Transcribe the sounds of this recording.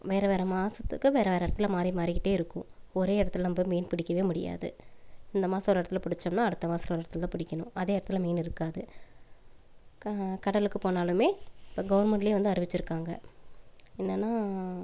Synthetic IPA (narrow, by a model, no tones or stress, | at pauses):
ʋeːɾɐʋeːɾɐmaːsɐt̪ːɯ̰kːɯʋeːɾɐʋeːɾɐɪɽɐt̪ːɪlmaːd̪ɾimaːɾɪkɪʈːeːɪɾɯkːʊ̰̃ɔɾeːɪɽɐt̪ːɪlɐmbomiːnpɪɽɪkʲːɐʋeːmʊɽɪ̰ja̰ːðɯ̰ɪnd̪ɐmaːsɐ̃ɔɾɯɪɽɐt̪ːɪlpɪɽɪt͡ʃːɐmnãːɐɽɯt̪ːɐmaːsɪlɐɔɾɪɾɐt̪ɪlt̪ãːpɪɽɪkʲːɐɳʊ̰̃ʔɐðeːɪɽɐt̪ːɪlmiːnɪɾɯkːaːðɯ | kɐɽɐlɯkːɯpoːnaːlɯmeːɪpːɐɡɐʋɐɾmɛɳʈɪleːʋɐnd̪ɯɐɾɯʋɪt͡ʃːɪɾɯkːaːŋɡɐ̰ | ɛnːɐnːaː